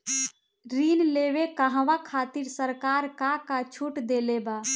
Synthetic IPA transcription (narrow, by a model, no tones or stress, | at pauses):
ɾinlewekəɦʋakʰat̪iɾsəɾkaːɾkakat͡ʃʰuʈd̪eleba